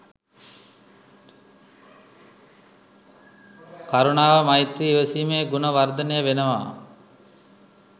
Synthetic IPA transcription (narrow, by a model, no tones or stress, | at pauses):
kaɾunaːʋəmajt̪ɾiːʋəsiːmeːɡunəʋard̪ənəjəʋenəʋa̰ː